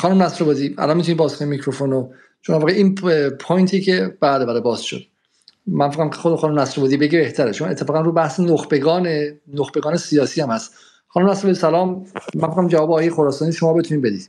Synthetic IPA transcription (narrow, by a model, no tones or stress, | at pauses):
xɒːnumnæsɾobɒːd̪iːæ̰lɒnmit̪unibɒːz̥kʰonimicʰɾofono | t͡ʃʰonæɾvɒːɣeiːnpʰojnt̪ʰicʰeb̥ælebæɾɔbɒːz̥ʃo̰d̪̥ | mænfæɣæmkʰexod̪xɒːnumnæsɾobɒːd̪iːbe̞ɟibeht̪ʰæɾeʃomɒe̞t̪ʰːefɒːɣænɾuːbæhsenoxbe̞ɡɒːnenoxbeɡɒːne̞siɒːsiːhæmhæst̪ | xɒːnumnæsɾobɒːd̪isælɒːmːænfæɣæmd͡ʒævɒːbeːjejexoɾɒːsɒːniːʃo̞mɒːbeunibe̞d̪iːd̪̥